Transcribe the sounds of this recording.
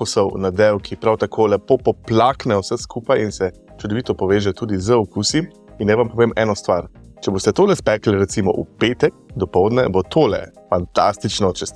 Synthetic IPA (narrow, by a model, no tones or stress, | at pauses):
ɔsəwnad̪ɛwkʰipɾawt̪akʰoːlɛpopɔplaːknɛwsɛskuːpajinsɛ | t͡ʃud̪ɔʋit̪ɔpɔʋeːʒɛt̪uːd̪izəɔkusi | inːɛʋampɔʋeːmɛːnɔst̪ʋaɾt͡ʃɛbost̪ɛt̪oːlɛspɛːkliɾɛt̪simɔ̰ʔṵpeːt̪ɛk̚d̪ɔpɔwd̪nɛbot̪ʰoːlɛ̰ | fant̪a̰st̪it͡ʃnɔt͡ʃɛs